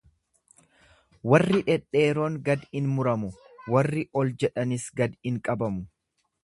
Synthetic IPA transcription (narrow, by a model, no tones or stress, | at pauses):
wɐrːɪᶑɛᶑe̞ːɾo̞ːŋɡɐd̪ɪnmʊɾɐmʊ | wɐrːɪʔɔld͡ʒɛᶑɐnɪsɡɐd̪ɪŋkʼɐbɐmʊ